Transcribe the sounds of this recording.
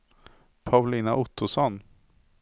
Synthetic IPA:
pʰaʊliːnaʔʊt̪ʰːʊsɔn

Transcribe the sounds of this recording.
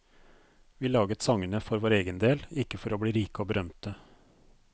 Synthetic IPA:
ʋiːlɑːɡət̪sɑŋənəfɔɾʋoːɾeːɡənd̪eːlɪkːəfɔɾoːbɽiːɾiːkəoːbəɾœmt̪ə

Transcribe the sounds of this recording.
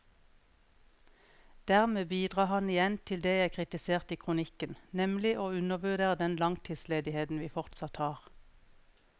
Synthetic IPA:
d̪̥æːʁmeːbiːd̪ʁɑːhɑnɪjɛnt̪ʰɪld̪eːjæɪkʰʁɪt̪ɪseːʁt̪iːkʰʁʊnɪkənnɛmlɪʔoːʉnəʁbʉʁd̪eːʁəd̪ɛnlɑŋt̪ʰiːd̪sleːd̪ɪheːt̪n̩ʋiːfɔʁt̪sɑt̪hɑːʁ

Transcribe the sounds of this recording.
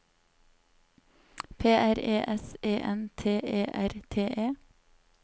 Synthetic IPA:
pʰeːʔæɾeːʔɛseːʔɛnt̪ʰeːʔeːʔæɾt̪ʰeːʔeː

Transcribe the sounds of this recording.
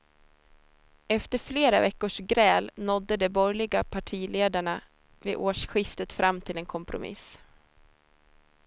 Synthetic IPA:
ɛft̪əɾfleːɾavɛkːʊʂɡɾɛːlnɔd̪ːəd̪ɛbɔɾjlɪɡapʰaʈʰiːleːd̪aɳa | vɪːʔoːʂɧɪft̪ət̪fɾʔamːt̪ʰɪlɛnkʰɔmpɾʊ̰mɪ̰s

